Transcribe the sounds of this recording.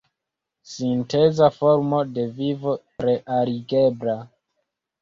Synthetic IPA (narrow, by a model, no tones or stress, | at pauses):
sinte̞zafo̞ɾmo̞de̞vivo̞tɾe̞ʔaɾiɡe̞bla